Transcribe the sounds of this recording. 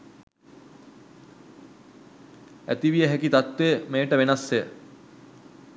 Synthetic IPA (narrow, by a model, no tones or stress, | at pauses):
æ̰t̪iʋijəɦækit̪at̪ʋeəmeːəʈəʋenasːeə